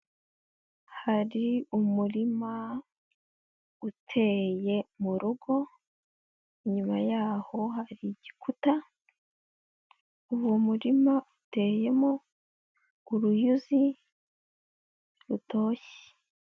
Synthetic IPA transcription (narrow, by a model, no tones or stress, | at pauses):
haɾiumuɾima | utʰe̞ːje̞muɾuɡo̞ | iɲumajaːho̞haɾiɟikʰuta | uβwomuɾimaute̞ːje̞mo | uɾujuzi | ɾutʰo̞ːçe̥